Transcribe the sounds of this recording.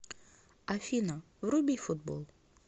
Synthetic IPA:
ɐfʲinɐ | vrubʲifʊd̪̚bo̰lˠ

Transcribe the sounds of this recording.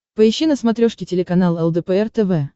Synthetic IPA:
pəɪɕːinəsmɐt̪ɾʲoʂkʲɪtʲɪlʲɪkɐnalˠɛlˠd̪ɛpəɛrt̪ɛvɛ

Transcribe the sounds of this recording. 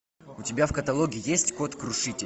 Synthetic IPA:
ʊtʲɪbʲafkət̪ɐlˠoɡʲɪːɪjesʲtʲko̞t̪kɾʊʂɨtʲɪ

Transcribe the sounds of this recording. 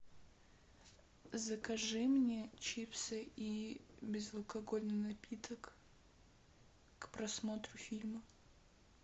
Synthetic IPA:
zəkɐʐɨmnʲet͡ɕipsʲəibʲɪzəlˠkɐɡo̞lʲnɨnɐpʲit̪ək | kpɾɐsmo̞t̪ɾʊfʲilʲmə

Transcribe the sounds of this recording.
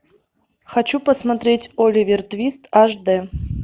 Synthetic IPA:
xɐt͡ɕupəsmɐt̪ɾʲetʲolʲɪvʲɪrt̪vʲist̪aʐd̪ɛ

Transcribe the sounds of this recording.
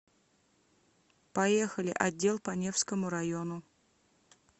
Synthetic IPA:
pɐje̞xəlʲɪ̰ʔɐdʲːe̞lˠpɐnʲe̞fskəmʊɾɐjo̞nʊ

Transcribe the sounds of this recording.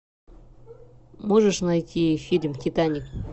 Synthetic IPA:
moʐəʂnajtʲʰifʲilʲmʲtʲɪt̪anʲɪk

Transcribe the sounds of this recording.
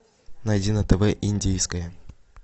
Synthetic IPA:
nɐjdʲinət̪ɛvɛʔinʲdʲejskəjə

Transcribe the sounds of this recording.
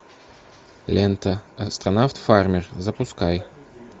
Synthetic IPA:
lʲent̪əɐst̪ɾɐnaft̪farmʲɪrzəpʊskaj

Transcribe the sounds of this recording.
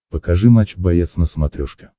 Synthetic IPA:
pəkɐʐɨmat͡ɕbɐjet̪snəsmɐt̪ɾʲɔʂkʲə̥

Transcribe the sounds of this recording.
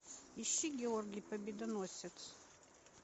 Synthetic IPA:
ɪʃʲiɡʲɛɔɾʲɡʲɪjpɐbʲiːd̪ɐnuɔsʲɛt̪s

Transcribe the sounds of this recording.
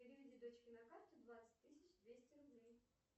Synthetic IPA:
ɪɾʲivʲɪdʲid̪ot͡ɕkʲɪnɐkart̪ʊd̪vat̪sə̥ɨ̥tʲt̪ɨsʲɪt͡ɕd̪vʲesʲtʲɪɾʊblʲi

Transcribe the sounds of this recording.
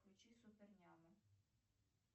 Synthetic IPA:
ʊt͡ʃʲisʊpernʲɑmɪ

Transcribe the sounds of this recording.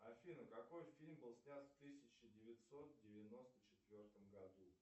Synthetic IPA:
ɐfʲinəkɐko̞jfʲilʲmbɨlˠsʲnʲat̪ft̪ɨsʲɪt͡ɕɪdʲɪvʲɪt̪ʲso̞t̪̚dʲɪvʲɪno̞st̪ət͡ɕɪt̪vʲo̞rt̪əmɡɐd̪u

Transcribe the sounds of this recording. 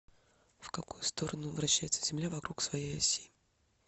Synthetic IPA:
fkɐkujʊst̪o̞ɾənʊvɾɐɕːæjɪt̪səzʲɪmlʲavɐkɾuksvɐjejɐsʲi

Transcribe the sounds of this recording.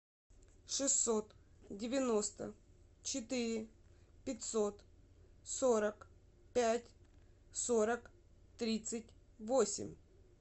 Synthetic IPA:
ʂɨsːo̞t̪dʲɪvʲɪno̞st̪ə̰t͡ɕɪt̪ɪɾʲɪpʲɪtʲsot̪soɾək | pʲætʲ | soɾək | t̪ɾʲit̪sɨt̚ʲ | vosʲɪ̰mʲ

